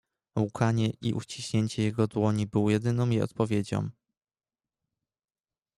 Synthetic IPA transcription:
ukʰaɲɛʔiʔṵt͡ɕiɕɲeɲt͡ɕɛjɛɡɔd̪wɔɲibɘwɔjɛd̪ɘnɔ̃w̃jɛɔ̰t̪̚pɔvʲjed͡ʑɔ̰̃m

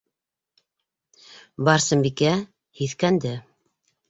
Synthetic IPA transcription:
bɑɾsɤ̆mbikæ | hiθkænd̪ɘ

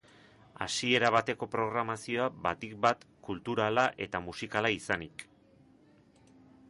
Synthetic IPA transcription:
a̰sie̞ɾaβ̞at̪e̞ko̞pɾo̞ɣɾamasio̞aβat̪ik̚bat̪kult̪uɾalaʔe̞t̪amusikalaisanik

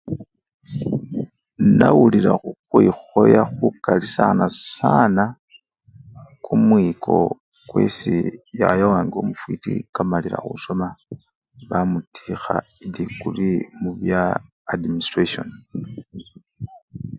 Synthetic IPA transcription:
nawuliɾaxuxwixo̞jaxukalisanasana | kʰumwikʰo̞̰ | kwe̞sijajawaːŋɡio̞mufwiːtikamaliɾa̰xṵso̞ma | βamutʰixaidikulimuβjaː | dministreʃon

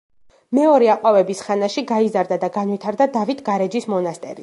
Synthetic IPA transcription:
mɛɔɾɛaqʼwavɛbisχanaʃiɡaizaɾd̪ad̪aɡanwit̪ʰaɾd̪ad̪avit̪ʰɡaɾɛd͡ʒismɔnast̪ʼɛ̰ɾi

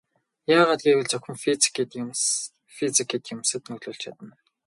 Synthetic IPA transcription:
jaːʁaːt̪ɡiːwɘ̆ɮt͡sɵxʲɘ̆mfii̥kiːt̪ | fit͡sikʰiːt̪jʊmsə̆t̪nɵɣɮuːɮt͡ɕʰa̰t̪ə̆n

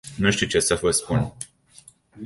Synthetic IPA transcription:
nuʃt̪iwt͡ʃe̞səvəjspun

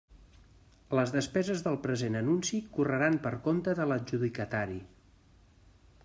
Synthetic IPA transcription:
ləzðəspɛzəzðəlˠpɾəzenənunsikurəɾampəɾkont̪əðələʒuðikət̪aɾi

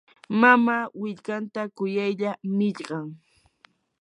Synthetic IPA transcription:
mamawɪʎkant̪akʊjajʎamɪʎɢɑŋ

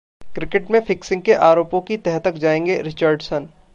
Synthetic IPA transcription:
kɾɪkɪʈmẽfɪksɪ̃ŋɡ̚keʔaːɾoːpõkit̪ɛɦt̪əkd͡ʒaːẽːŋɡeɾɪt͡ʃəːɾɖsən

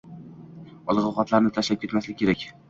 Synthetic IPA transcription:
ɒlˠʁɒqɒt̪laɾnɪt̪ʰaʃlap̚kʲʰe̞t̪maslɪk̚ʲʰːe̞ɾakʲ

